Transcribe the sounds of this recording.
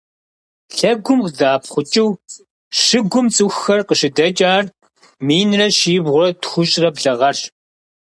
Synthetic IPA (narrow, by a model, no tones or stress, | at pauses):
ɬɐɡʷʊmqdaːpχʷʊt͡ʃʼɪw | ʃɨɡʷʊmt͡sʼɨxːɐrqəʃɪdɐt͡ʃʼaːr | miːnrɐʃiːbʁʷʊrɐtxʷʊɕʼrɐbɮɐʁɐɬ